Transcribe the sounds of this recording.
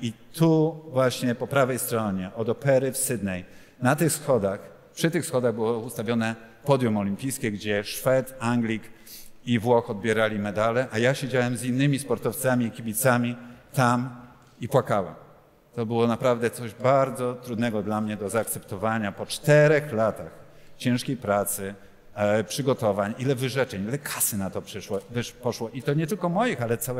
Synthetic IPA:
it̪uvwaɕɲɛpɔpɾavɛjst̪ɾɔɲɛʔɔd̪ɔpɛɾɘfsɘd̪nɛj | nat̪ɘxsxɔd̪ax | pʂɘt̪ɘxsxɔd̪aɣbɘwɔust̪avʲjɔnɛ | pɔd̪jumɔlʲimpʲijskʲɛɡd͡ʑɛʂfɛt̪aŋɡlʲik | ivwɔxɔd̪̚bʲjɛɾalʲimɛd̪alɛʔajaɕed͡ʑawɛmzinːɘmʲispɔɾt̪ɔft̪samʲiːkʲibʲit̪samʲit̪am | ipwakawɛ̰m | t̪ɔbɘwɔnapɾavd̪ɛt̪sɔʑbaɾd̪zɔt̪ɾud̪nɛɡɔd̪lamɲɛd̪ɔzaːk̚t̪sɛpt̪ɔvaɲapɔt͡ʂt̪ɛɾɛxlat̪ax | t͡ɕɛ̃ʂkʲejpɾat̪sɘ | pʂɘɡɔt̪ɔvaɲilɛvɘʐɛt͡ʂɛɲilɛkʰḁsɘnat̪ɔpʂɛʂwɔvɘpɔʂwɔʔit̪ɔɲɛt̪ɘlkɔmɔjixalɛt̪sawɛ

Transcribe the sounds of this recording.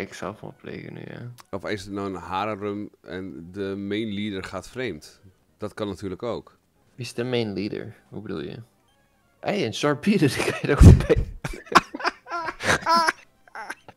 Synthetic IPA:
ɪksɛ̰lˠfmɔ̰lplḛːkə̰ny̰ja̰ɔfɪsənɔwənhaːɾərømɛ̰ndəmejnlidərχaːtfrejmt | d̥ɔtkɑnːatyːrləkoːk | isdəmejnlidə̰ɹ | hubədṵlˠjə̰ | ʔejənsɔɹpiɾədɪkejdofəpʰej

